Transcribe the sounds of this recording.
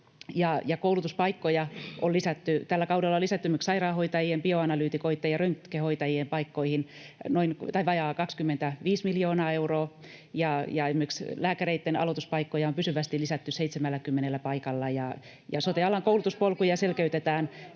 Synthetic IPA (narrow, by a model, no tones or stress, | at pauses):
jɑjɑkoulut̪uspɑikːojɑʔolisæt̪ːyt̪ælːækɑudelːɑolisæt̪ːymyksɑirɑːhoit̪ɑjiempioɑnɑlyːt̪ikoit̪ːejɑrøŋkkːehoit̪ɑjiempɑikːoihin | noint̪ɑiʋɑjɑːkɑkskymːent̪æʋiːsmiljoːnɑːeuroː | jɑjɑemːykslæːkæreit̪ːenɑ̰lot̪uspɑikːojɑompysyʋæst̪ilisæt̪ːyseit̪semælːækymːenelːæpɑikɑlːɑjɑ | jɑ̰sot̪eɑlɑŋkoulut̪uspolkujɑselkeyt̪et̪æːn